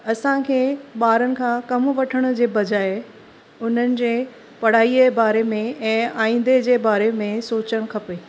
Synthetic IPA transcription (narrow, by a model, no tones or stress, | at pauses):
ɐsãkʰeːɓaːɾənɪ̆kʰãkɐmʋɐʈʰəɽ̃ʊd͡ʑeːbɐd͡ʑaːɪ | ʊn̤ənɪ̆d͡ʑeː | pɐɽ̤aːiebaːɾemẽɛ̃ːaːĩːn̆d̪ed͡ʑeːbaːɾemẽsoːt͡ɕəɽ̃kʰɐpeː